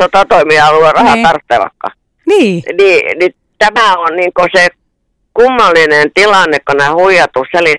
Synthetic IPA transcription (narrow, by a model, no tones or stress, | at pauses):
ot̪ɑt̪oimiɑluerɑhɑt̪ɑrt̪ːeʋɑ̰kːɑ̰ | niːniːni | t̪æmæˑonniŋkose | kumːɑlːinent̪ilɑnːekkonæhuijɑt̪usseli